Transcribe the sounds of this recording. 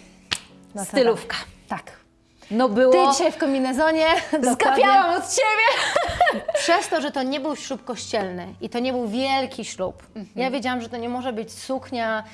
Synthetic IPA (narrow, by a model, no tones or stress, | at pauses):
ssɨlufkḁt̪ak | nɔbɘw̪ɔiɕajfkɔmʲinɛzɔɲɛzkɡawadʲjaɲwamɔt̪t͡ɕebʲjɛ | pʂɛst̪ɔʐɛt̪ɔɲɛbɘwɕlupkɔɕt͡ɕɛlnɘʔit̪ɔɲɛbɘwvʲjɛlkʲiɕlupjavʲjed͡ʑawamʐɛt̪ɔɲɛmɔʐɛbɘt͡ɕsukɲa